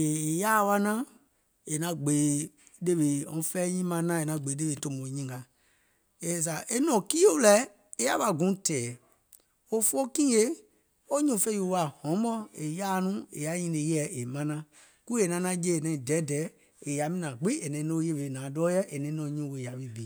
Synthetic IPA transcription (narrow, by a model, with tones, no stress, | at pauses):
e˨e˨jaː˦˨˦wa˦nã˦ | e˨nã˨˧ɡ͡beː˨˦ | de˦ɓe˨ɔ̃˨˧˦fɛ˦ɲĩ˦mã˧˦nã˦e˨nã˨˧˨ɡ͡beː˨˦de˦we˨tõ˧mõ˨ɲĩ˦˨ɡa˨ | e˧˨s̬a˨ʔe˦nɔ̃˨ki˦o˦lɛ˦ | e˦a̰˦ɓa˧ɡũ˨˦tɛː˨ | o˦fo˦kĩ˦e˦ | o˦ɲũ˦˨fe˦ju˧˨wa˨hɔ̃˨˦mbɔ˦e˨jaː˦nũ˦ḛ˨ja˨˦ɲĩ˧nẽ˨˦jɛ˨˦ʔe˨mã˧˦nã˧ | ku˦e˨nã˧˦nã˧˦d͡ʒe˦˨nɛ̃˨ĩ˨dɛ˨˦dɛː˨˦ | e˨ja˨˦mĩ˦nã˨ɡ͡bi˦e˨nɛ̃˨˦nõ˦je˦be˧˨nãː˨dɔː˦jɛ˦ʔe˨nɛ̃˨˦nɔ̃˨˦ɲũ˨˦we˨ja˨bi˦bi˨